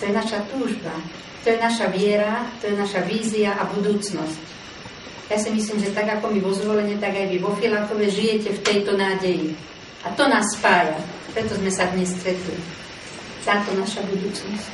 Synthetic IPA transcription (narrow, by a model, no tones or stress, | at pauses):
t̪ɔjɛnaʃat̪uːʒba | t̪ɔjɛnaʃaʋɪɛɾat̪ɔjɛnaʃaʋiːziaʔabud̪uːt͡snɔsc | jasimisliːmʒɛt̪aɡakɔmiʋɔzʋɔlɛɲɛt̪aɡajʋiʋɔfilaxɔʋɛʒijɛcɛft̪ɛjt̪ɔnaːɟɛji | ʔat̪ɔnaːsːpaːjapɾɛt̪ɔzmɛsad̪ɲɛsːt̪ɾɛt̪li | t̪aːt̪ɔnaʃabud̪uːt͡snɔsc